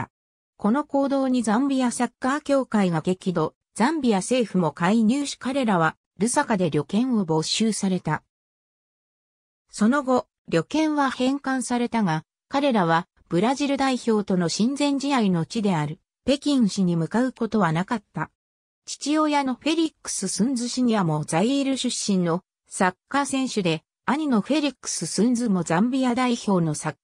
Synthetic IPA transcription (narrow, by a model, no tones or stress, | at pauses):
ko̞no̞ko̞ːd̪o̞ːɲ̟izãmbʲijasakːaːkʲo̞ːkaiɡake̞kʲid̪o̞ | z̥ãmbʲijase̞ːɸɯ̟mo̞kaiɲɨːɕi̥kaɾe̞ɾaβ̞a | ɾɯ̟sakad̪e̞ɾʲo̞kẽ̞ɰ̃o̞bo̞ɕɨːsaɾe̞t̪a | so̞no̞ɡo̞ | ɾʲo̞kẽ̞ɰ̃βahẽ̞ŋkãɰ̃saɾe̞t̪aɡa | kaɾe̞ɾaβ̞a | b̥ɯ̟ɾaʑiɾɯ̟d̪aiço̞ːt̪o̞no̞ɕĩnd͡zẽ̞ɲ̟d͡ʑiaino̞t͡ɕid̪e̞aɾɯ̟ | pe̞kʲĩɕiɲ̟imɯ̟kaɯ̟ko̞t̪o̞βanakat̪ːa | t͡ɕi̥t͡ɕijo̞ːjano̞ɸe̞ɾʲikːɯ̥sɨsɨ̃nd͡zɨɕiɲ̟iβamo̞d͡zaieɾɯ̟ɕɨɕːĩnːo̞ | sakːasẽ̞ɰ̃ɕɨd̪e̞ | aɲ̟ino̞ɸe̞ɾʲikɯ̥sɨsɨ̃nd͡zɨmo̞zãmbʲijad̪aiço̞ːno̞sakː